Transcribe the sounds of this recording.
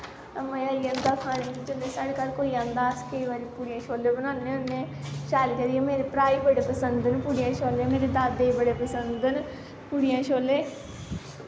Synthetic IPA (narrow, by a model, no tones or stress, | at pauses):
mə̃əliãːnd̪aːkʰaːɽ̃ẽːkid͡ʒənd̪eːsaːɽeːkalkoːiːãːnd̪aəskəiʋaːɾiːpuːɽijãːʃoːlːeːbənãːneːʊnːeːʃaːlkəɾiːãmeːɾepɾaːiːbəɽeːpəsənd̪ənpuːɽijãːʃoːlemeːɾed̪aːd̪eibəɽeːpəsənd̪d̪ən | puːɽijãːʃoːleː